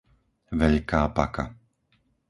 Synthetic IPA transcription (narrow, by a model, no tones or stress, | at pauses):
ʋɛʎkaːpa̰ka̰